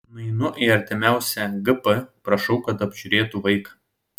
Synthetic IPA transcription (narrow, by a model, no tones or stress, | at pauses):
nʊɪnʊʔɪɐɾʲt̪ʲɪmʲæˑʊsʲɛɡɨpɐpɾɐʃɒʊkɐt̪ɐbʲʒʲʊɾʲeːt̪uʋɐɪk